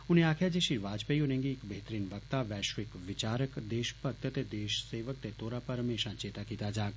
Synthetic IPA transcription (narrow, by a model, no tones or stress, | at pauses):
uneaːkʰjad͡ʒeʃiʋaːd͡ʒpəjonə̃ŋɡiːkbəɦet̪əɾiːnʋəkt̪aʋɛːʃʋɪkʋɪt͡ʃaːɾəkd̪eːʃpəɾ̚t̪ət̪ed̪eːʃseʋək̚t̪et̪oɾapəɾɦəmeʃãt͡ʃeːt̪akit̪ad͡ʒaːk